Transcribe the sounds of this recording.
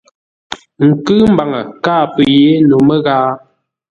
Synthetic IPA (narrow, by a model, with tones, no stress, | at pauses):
ŋ̩˨kɨ˦m˦ba˨ŋə˨kaː˦˨pə˨je˨˦nu˨mə˦ɣaː˦